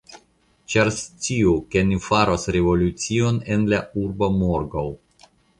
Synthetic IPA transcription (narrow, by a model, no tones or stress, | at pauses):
t͡ʃaɾst͡siukenifaɾosɾevo̞lut͡sio̞nenlauɾbomoɾɡow